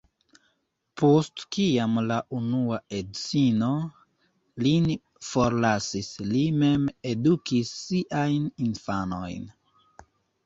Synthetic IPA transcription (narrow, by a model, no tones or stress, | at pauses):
postkiamlaʔunuaedt͡sino | lin | fo̞ɾlasislime̞medukisːiʔajninfano̞̰jn